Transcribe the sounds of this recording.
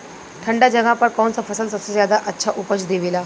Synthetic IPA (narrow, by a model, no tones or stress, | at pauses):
ʈʰəɳɖad͡ʑəɡãpəɾkawnt͡safʰəsəlsət̪səzjad̪aʔətːɕʰaʔupəd͡ʑd̪eʋila